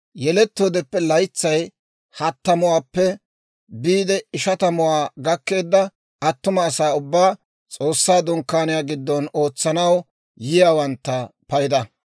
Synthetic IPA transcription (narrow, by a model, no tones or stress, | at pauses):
jɛlɛt̪ːo̞ːd̪ɛpːɛlɐjt͡sːɐj | hɐt̪ːɐmʊwaːpːɛ | biːd̪ɛɪʃɐt̪ɐmʊwaːɡɐkːe̞ːd̪ːɐ | ɐt̪ːʊmɐːsaːʊbːaː | t͡sʼo̞ːsːaːd̪ʊŋkːaːnɪjaːɡɪd̪ːɔno̞ːt͡sːɐnɐw | jɪjaːwɐnt̪ːɐpɐjɪd̪ɐ